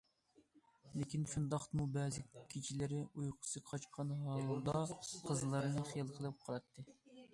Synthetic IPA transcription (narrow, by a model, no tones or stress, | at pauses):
lɪkʲinʃund̪ɑχt̪mubɛːzɪkʲʰit͡ʃʰilɪɾɪujqʰʊ̥sɨqʰɑt͡ʃqʰɑnɦɑlˠd̪ɑqʰəzlˠɑɾnɨχijɑlˠqʰəlˠɨp̚qʰɑlˠɑt̪ʰːɨ